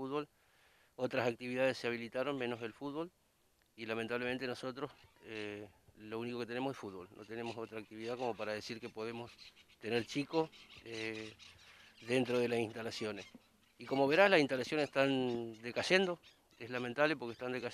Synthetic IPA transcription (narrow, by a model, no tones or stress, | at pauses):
uβol | o̞t̪ɾasak̚t̪iβiðaðeseaβ̞ilit̪aɾo̞nmẽ̞no̞selfud̪̚βo̞l | ilamẽnt̪aβleme̞nt̪eno̞so̞t̪ɾo̞selounikoke̞t̪enemosesfud̪̚βo̞̰lnʔo̰t̪enemo̞so̞t̪ɾak̚t̪iβiðako̞mo̞paɾaðesiɾkepo̞ð̞emo̞st̪eneɾt͡ʃikoe | ðe̞nt̪ɾoð̞elasint̪alasjones | iko̞mo̞βeɾaslasinst̪alasjo̞nese̥ht̪and̪ekaʒend̪o̞ | eslament̪aβlepo̞ɾkest̪and̪eka